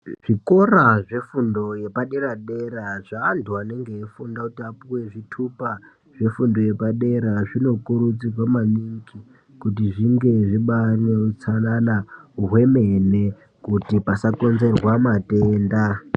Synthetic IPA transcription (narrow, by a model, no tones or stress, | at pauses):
ʐ̥iko̞raʐe̞fundo̞je̞paɗe̞ɾaɗe̞ɾaʐaːntʰuane̞ŋɡeːfundakutiapuwe̞ʐitʰupa | ʐ̥e̞fundo̞je̞paɗe̞ɾaʐino̞kuɾut͡sirwamaniŋki | kut̬iʐiŋɡe̞ʐiɓaneut͡sananauɦwe̞mene | kutipasako̞nze̞rwamateːnda